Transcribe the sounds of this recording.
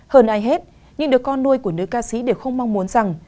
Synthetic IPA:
həː˧˩nʔaː˨˦jɦe˦˥t̚ | ɲɨ˧ŋɗɨ˨˩əkːɔ˧nːu˧əjku˧˩ənɨ˦˥kaː˧sḭ˨˦ɗe˧˩wxə˧wŋ͡mma˧wŋ͡mmu˨˦nza˨˩ŋ

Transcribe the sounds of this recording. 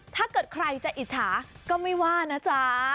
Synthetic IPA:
t̪ʰaː˥˩kɤː˨˩t̪̚kʰɾa˧jt͡ɕa˨˩ʔi˨˩t̪̚t͡ɕʰaː˩˦kɔː˥˩ma˥˩jwaː˥˩na˦˥t͡ɕa˦

